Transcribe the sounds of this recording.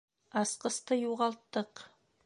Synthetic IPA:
ɑsqɤ̆st̪ɤjuʁɑlˠt̪ːɤq

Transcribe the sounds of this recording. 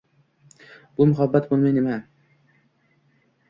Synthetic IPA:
b̥ʊmʊɦabːat̪bolˠmajnema

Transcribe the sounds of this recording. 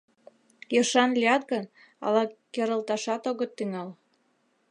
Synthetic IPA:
jɤʃɑnliɑt̪ɡən | ɑ̰lɑkeɾə̆lt̪ɑʃɑt̪oɣə̆t̪ːyŋɑl

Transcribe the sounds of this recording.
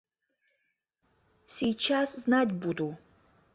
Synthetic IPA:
siːt͡ʃʰasznadʲbud̪u

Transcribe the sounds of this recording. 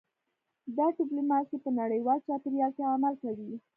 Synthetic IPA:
d̪ɑɖɪplumɑsipənaɽəjwɑlt͡ʃɑpɪɾjɑsaːmalkawi

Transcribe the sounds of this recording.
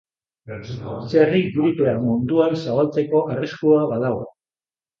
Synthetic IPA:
sariɡuɾit̪eamund̪uansaɣalt͡se̞ko̞ʔariskuaβaðaɣo

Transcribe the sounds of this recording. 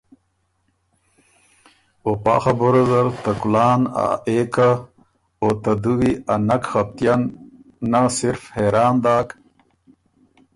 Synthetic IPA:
opa̰ːxɐboɾɐzɐɾt̪ɐkulaːna̰eːka | ot̪ad̪uwianɐkxɐp̚t̪janː | asiɾfheɾaːnd̪aːk

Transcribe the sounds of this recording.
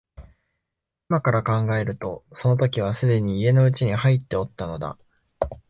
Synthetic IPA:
imakaɾakãŋɡae̞ɾɯ̟t̪o̞so̞no̞t̪o̞kʲiβ̞asɨd̪e̞ɲ̟iːe̞no̞ɯ̟t͡ɕiɲ̟ihait̪ːe̞o̞t̪ːano̞d̪a̰

